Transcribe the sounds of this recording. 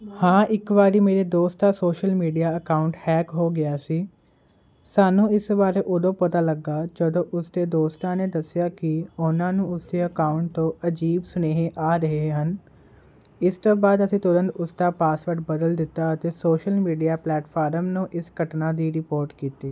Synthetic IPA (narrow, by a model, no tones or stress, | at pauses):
hãːʔɪkʋaːɾiːmeːɾeːd̪oːst̪aːsoːʃəlmiːɖijaːəkaːʊɳʈhɛːkɦoːɡɪaːsiː | saːnũːɪsbaːɾeːʔʊd̪õːpət̪aːləɡːaːd͡ʒəd̪õːʔʊsd̪eːd̪oːst̪ãːneːd̪əsɪjaːkɪʊnãːnũːʊsd̪eːəkaːʊɳʈ̚t̪õːʔəd͡ʒiːbsneːɦẽʔaːɾəɦeeɦən | ɪst̪oːbaːd̪əsĩːt̪ʊɾə̃nd̪ʊsd̪aːpaːsʋəɾʈbəd̪əld̪ɪt̪ːaːət̪eːsoːʃəlmiːɖijaːplɛːʈpʰaːɾəmnũːʔɪsɡəʈnaːd̪iːɾɪpoːɾʈkiːt̪eː